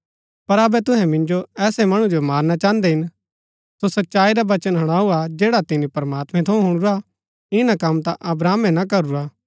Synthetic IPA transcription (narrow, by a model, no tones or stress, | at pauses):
pɐɾɐbɛt̪ʊɦɛ̃mɪ̃nd͡ʒoɛːsɛmɐɽ̃ũd͡ʒomaːɾnat͡ʃãːnd̪eɦɪn | sosɐtːʃaːiɾaʋɐt͡ʃənɦɐɽ̃aːuad͡ʒeːɽat̪ɪnĩpɐɾəmaːt̪mɛ̃t̪ʰɐũɦʊɽ̃uɾa | ɪnakɐmt̪aʔɐbɾaːmɛ̃nakɐɾuɾaː